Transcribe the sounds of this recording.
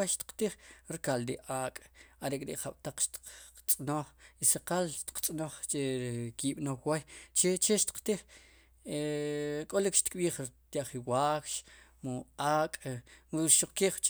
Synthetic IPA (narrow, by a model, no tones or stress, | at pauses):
ajʃt̪i̥qt̪iχɾikald̪iʔaːkʼaɾekʼɾḭʔχaɓ̥t̪aq͡χʃt̪i̥t͡sʼnoχiseqalʃt̪i̥q͡χt͡sʼnoχt͡ʃeɾkiɓnowajt͡ʃet͡ʃeʃt̪i̥qt̪iχ | ekʼolikʃt̪kɓiːχɾt̪jaχiwakʃmoakʼ | ʃuq͡χkiχt͡ʃʼ